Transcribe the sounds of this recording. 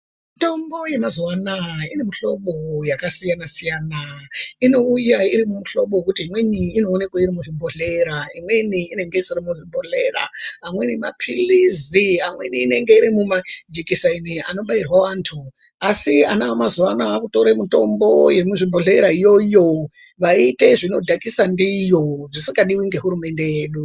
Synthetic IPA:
mito̞mbo̞je̞mazwanaine̞muɬo̞ɓo̞jakasijanasijanaino̞ujaiɾimumuɬo̞ɓokutiɦimwe̞ɲiːno̞ːne̞kwaiɾimuʐimbʱoɮe̞ɾaimwe̞niːne̞ŋɡe̞isiɾimuʐimbʱoɮe̞ra̰ɦamwe̞nima̰pʰiliziɦamwe̞̰niːne̞ŋɡe̞iɾimumad͡ʒekisainiano̞ɓairwaʋaːntʰu | asianaamazuʋanaːkuto̞ɾemito̞mbo̞je̞muʐibʱoɮe̞ɾaijo̞jo̞ | ʋaite̞ʐino̞dʱakisandijo̞ʐisiŋɡaɗiwiŋɡe̞ɦuɾume̞nde̞jeːɗu

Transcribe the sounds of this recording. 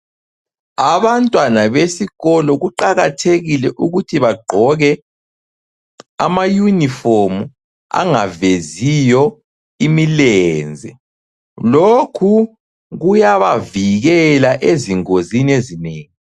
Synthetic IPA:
aβantʼwanaβesiɣɔlɔɣuǃaɣatʰeɣilɛʔuɣutʰiβaɡ͡ǃʱɔɣɛ | a̰majunifomu | a̰ŋavezijɔ | imilɛːnd͡zʱɛ | lokʰu | ɣujaβaviɣɛlaʔeziŋoziniezineːŋi

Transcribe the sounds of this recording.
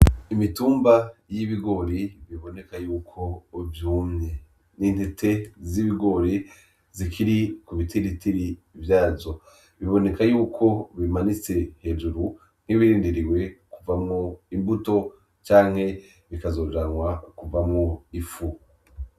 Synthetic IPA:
imituːmbajiβiɡo̞ɾiβiβo̞ne̞kajuːkʰo̞vjuːmɲe | niːn̥hetʰe̞ziβiɡo̞ːɾi | zikʰiɾikuβitiɾitʰiɾi | vjaːzo̞ | βiβo̞ne̞kajuːkʰo̞βimanit͡se̞he̞ʒuɾu | n̥hiβiɾiːndiɾiwe̞kuvamŋuimbuto̞ | t͡ʃaːŋ̥he̞ | βikazo̞ːd͡ʒaŋwakuvamŋuifu

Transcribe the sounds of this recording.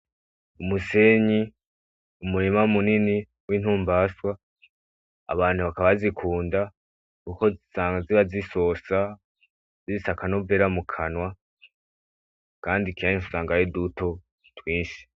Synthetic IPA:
umuseɲi | umuɾimaumunini | win̥huːmbaswa | βaːn̥huβakaβazikʰuːnda | kuko̞zisaːŋɡaziβazisosa | zizisakanoveɾamukʰanwa | kaːndikiajinʃu̥saːŋɡajeduto̞ | twiːnʃi̥

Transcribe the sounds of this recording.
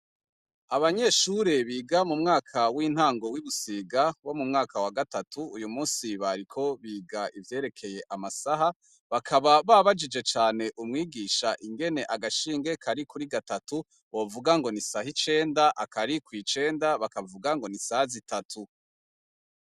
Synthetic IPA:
aβaɲe̞ʃuɾe̞βiːɡamumŋaːkʰawiːn̥haːŋɡo̞wiβusiːɡawo̞mumŋaːkawaɡatatʰuːjumuːnsiβaɾikʰo̞βiːɡaʔivje̞ːɾe̞kʰe̞je̞ʔamasaɦa | βakʰaβaβaβad͡ʒid͡ʒe̞t͡ʃaːne̞ʔumŋiːɡiʃaʔiŋɡe̞ne̞ʔaɡaʃiːŋɡe̞kʰaɾikuɾiɡatatu | βo̞vuɡaŋɡo̞nisahit͡ʃe̞ːndaʔakaɾikwiːt͡ʃe̞ːndaβakavuɡaŋɡo̞nisahazitatʰu

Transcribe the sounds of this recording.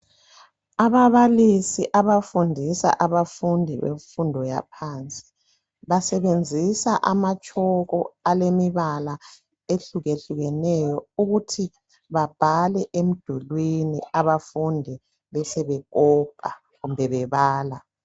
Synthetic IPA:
aβaβalisiʔaβafundʱisa̰ʔaβafundʱiβḛɱfundʱɔja̰pʰaːnt͡sʼi̥ | βasɛβend͡zʱisaʔamat͡ʃʼɔɣɔalemiβala | eɬuɣeɬuɣɛnɛjɔuɣutʰi | βab̥ʱalɛʔem̩d̥ʱulwiniaβafundʱi | βɛsɛβɛɣɔb̥ʱa | ɣumbʱɛβɛβaːla

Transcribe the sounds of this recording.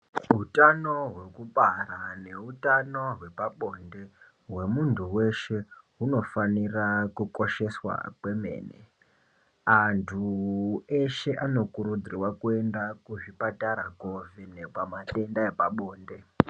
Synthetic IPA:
ɦutanoɦwe̞kuɓarane̞utano̞ɦwe̞paɓo̞nde̞ | ɦwe̞muntʰuwe̞ʃe̞ɦuno̞fanirakuko̞ʃe̞swa̰kwe̞me̞̰ːnḛ | antʰu | e̞ʃe̞ʔano̞kuɾud͡zrirwakue̞ndakuʐipataɾaɡovinepamate̞ndaepaɓoːnde̞

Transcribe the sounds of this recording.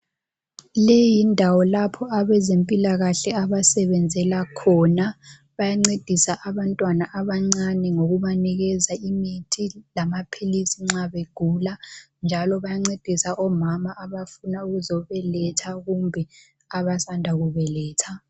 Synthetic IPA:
lɛjindʱawɔlapʰɔaβɛzempʼilaɣaɬɛaβasɛβɛnd͡zʱɛlakʰɔna | βajaŋ͡ǀed̥ʱisaʔaβantʼwanaʔaβaŋ͡ǀanɛŋoɣuβaniɣɛzaimitʰilamapʰilisiŋ͡ǁaβeɡ̥ʱula | nd͡ʒʱalɔβajaŋ͡ǀed̥ʱisaʔɔmamaʔːβafunauɣuzɔβɛlɛtʰaɣumbʱɛ | aβasandʱaɣuβɛlɛːtʰa

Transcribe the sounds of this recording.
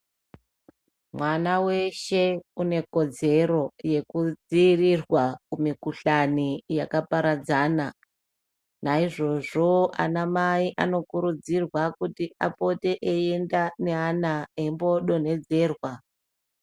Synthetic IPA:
mwanawe̞ʃe̞une̞ko̞d͡ze̞ɾo̞je̞kud͡ziːrirwakumikuɬanijakapaɾad͡zaːna | naiʐo̞ʐo̞a̰namaiʔano̞kuɾud͡zirwakutiapo̞te̞ʔeendane̞anaeimbo̞ɗo̞ne̞d͡ze̞ːrwa

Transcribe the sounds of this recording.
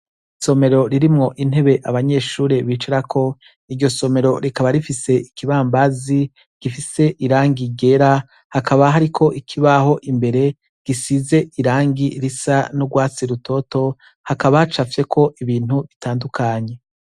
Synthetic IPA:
so̞me̞ɾo̞ɾiɾimŋo̞ʔin̥he̞βe̞ʔaβaɲe̞ːʃuːɾeβiːt͡ʃiɾakʰo̞ | iɾɟo̞so̞me̞ɾo̞ɾikaβaɾifise̞ikʰiβaːmbazi | ɡ̥ifise̞ʔiɾaːŋɡiɡe̞ɾa | hakaβaɦaɾikʰo̞ʔikʰiβaho̞ʔimbe̞ɾe̞ | ɡ̥isize̞ʔiɾaːŋɡiɾisanuɡwaːt͡siɾutʰo̞ːto̞ | hakaβat͡ʃafje̞kʰo̞ʔiβiːn̥huβitaːndukʰaɲe̞

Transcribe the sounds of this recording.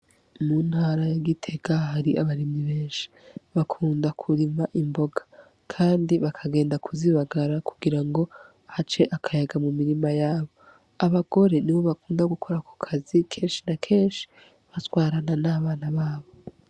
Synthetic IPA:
muːn̥haːɾajaɡitʰe̞ɡaɦaɾiʔaβaɾimɲiβeːnʃi̥βakʰuːndakʰuɾimaʔimbo̞ɡḁ | kʰaːndiβakʰaɡe̞ːndakʰuziβaɡaɾaku̥ɡiɾaŋɡo̞ | hat͡ʃe̞ʔakʰajaɡamumiɾimajaːβo̞ | aβaɡ̥o̞ɾe̞niβo̞βakuːndaɡukʰo̞ɾako̥kʰazikʰe̞ːnʃinakʰe̞ːnʃi̥ | βatwaːɾananaβaːnaβaːβo̞

